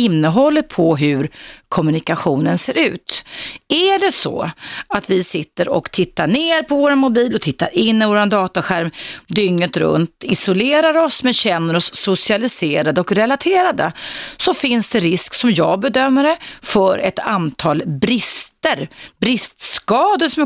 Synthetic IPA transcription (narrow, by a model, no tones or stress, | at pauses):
ɪnːəɦɔlːət̪̚pʰɔɦʉɾkʰɔmɵnɪkaɧuːnənseːɾʉ̟ːt̪æɖɛsɔ̰at̪vɪsɪt̪ːəɾɔ̰kt̪ʰɪt̪ːaɳeːɾpʰɔvoːɾanmʊbiːlɔt̪ʰɪt̪ːa̰ɾɪnːɪvoːɾand̪ɑːt̪aɧæɾmd̪ʏŋːət̪ɾɵ̰nt̪ɪsʊleːɾaɾɔsmɛnɕɛnːəɾɔsːʊsɪalɪseːɾad̪əɔkɾɛlat̪ʰeːɾad̪əsɔfɪnsd̪ɛɾɪsksɔmjɑːɡ̚bɛd̪œmːəɾɛfœɾʔɛ̰t̪ant̪ʰɑːlbɾɪst̪əɾbɾɪst̪skɑːd̪əsɔmɛ